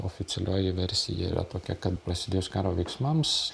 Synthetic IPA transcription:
o̰ːfʲɪt̪sʲɛlʲoːjɪʋʲɛɾʲsʲɪjɛ̰ḭɾɐ̰t̪oːkʲɛkɐt̪pɾɐsʲɪd̪ʲeːjoːskɑːɾoːʋʲɛɪksmɐms

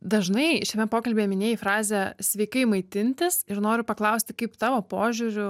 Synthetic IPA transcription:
d̪ɐʒnɐɪʃʲɛmʲɛpoːkɐlʲbʲeːmʲɪnʲeːjɪfɾɑːzʲɛsʲʋʲɛɪkɐɪmɐɪt̪ʲɪnʲt̪ʲɪsɪɾnoːɾʲʊpɐklˠɐʊsʲt̪ʲɪkɐɪpt̪ɑːʋoːpoːʒʲʊɾʲʊ

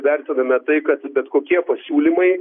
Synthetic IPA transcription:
ʋʲɛɾʲt̪ʲɪnɐmʲɛt̪ɐɪkɐt̪bʲɛt̪koːkʲiɛpɐsʲuːlʲɪmɐɪ

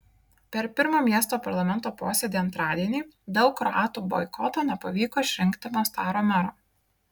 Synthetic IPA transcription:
pʲɛɾpʲɪɾmoːmʲiɛst̪oːpɐɾlˠɐmʲɛnt̪oːpoːsʲed̪ʲiːɐnt̪ɾɑːd̪ʲiɛnʲiːd̪ɒʊkːɾɔɑːt̪uːbɔ̰ɪkʰɔt̪oːnʲɛpɐʋʲiːkoːɪʃʲɾʲɪŋʲkt̪ʲɪmoːst̪ɑːɾoːmʲæɾoː

